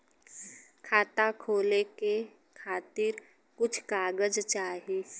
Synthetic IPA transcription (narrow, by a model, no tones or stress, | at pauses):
kʰaːt̪akʰoːleke | kʰaːt̪ɪɾ | kʊt͡ʃʰkaːɡəd͡ʒt͡ʃaːɦi